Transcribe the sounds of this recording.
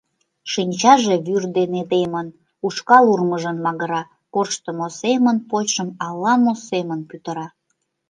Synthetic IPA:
ʃinʲt͡ɕɑʒeβyrd̪ened̪emən | uʃkɑlurməʒənmɑɣəɾɑ | korʃt̪əmosemənpot͡ɕʃəmɑlːɑmosemənpyt̪əɾɑ

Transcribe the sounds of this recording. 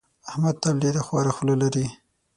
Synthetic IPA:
ahmad̪̚t̪ablid̪axwɑɾaxulalaɾi

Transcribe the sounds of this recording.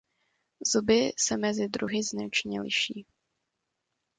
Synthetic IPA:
zubɪsɛmɛzɪd̪ɾuɦɪznat͡ʃɲɛlɪ̰ʃiː

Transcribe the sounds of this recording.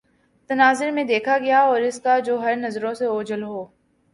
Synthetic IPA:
t̪ɐnaːzɪɾmẽd̪eːkʰaɡɐjaɔːɾɪskad͡ʒoːɦɐɾnɐzɾõseoːd͡ʒəlɦoː

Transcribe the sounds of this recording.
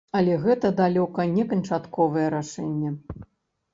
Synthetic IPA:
ɐlʲɛɣɛt̪ɐd̪alʲɔkɐnʲɛkɐnt͡ʂat̪kɔvɨjɛɾaʂɛnʲːɐ

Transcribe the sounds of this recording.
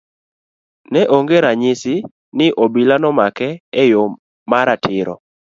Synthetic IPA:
nɛʔoŋɡeɾaɲɪsɪ | nɪʔobilanɔmakɛːjo | maɾatʰɪɾɔ̰

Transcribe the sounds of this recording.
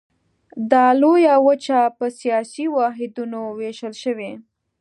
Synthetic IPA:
d̪ɑlojawət͡ʃapəsijɑsiwɑɦɪd̪unoweʃəlʃəwe

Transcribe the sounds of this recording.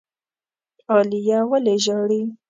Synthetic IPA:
ɔlijawaleʒɔɾi

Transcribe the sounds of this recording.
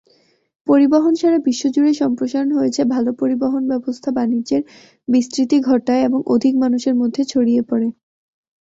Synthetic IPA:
poɾibaɦonʃaɾabiʃːod͡ʑuɽeʃɔmpɾoʃaɾonɦojet͡ɕʰebʱalopoɾibaɦonbɛbost̪ʰabanid͡ʑd͡ʑeɾ | bist̪ɾit̪iɡʱɔʈaeeboŋʔo̰d̪ʱikmanuʃeɾmod̪ʱːet͡ɕʰoɽiepɔɾe

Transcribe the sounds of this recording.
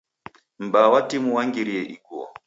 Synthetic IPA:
m̩bawatimuwaŋɡiɾijɛʔiɡuwɔ̰

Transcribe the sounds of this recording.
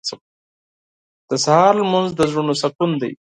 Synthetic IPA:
d̪̥əsahɑɾlmʊnzd̪əzɾunosakund̪a̰j

